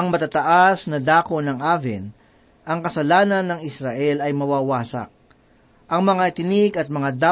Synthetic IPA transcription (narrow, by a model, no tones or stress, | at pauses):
ɐŋmɐt̪at̪ɐʔasnɐd̪aːkonɐŋʔaːvɛ̰n | ɐŋkɐsɐlaːnɐnːɐŋɪsɾɐʔɛlɐjmɐwaːwaːsɐ̰k̚ | ʔɐŋmɐŋat̪ɪnɪɡɐt̪̚mɐŋad̪a